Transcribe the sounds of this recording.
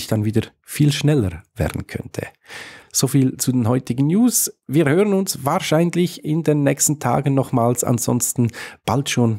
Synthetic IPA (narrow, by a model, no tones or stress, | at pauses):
çd̥anviːdə | fiːlʃnɛləɾvɛ̰ːɐd̥n̩kʰœ̰ntʰə̰z̥oːfiːlt͡sudeːnhɔʏtɪɡn̩njuːsviːʁhøːʁənʊnsvaːʁʃaɪnlɪçɪndeːnːɛːçstn̩tʰa̰ːɡn̩nɔχmaːlsa̰nz̥ɔ̰nstn̩b̥altʃoːn